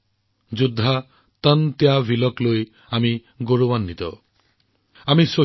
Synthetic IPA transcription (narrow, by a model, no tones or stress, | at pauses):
d͡ʒud̪ʱːa | t̪ənt̪jabʱilɔkloj | ami | ɡoɾubanːit̪ɔ̰ | amiso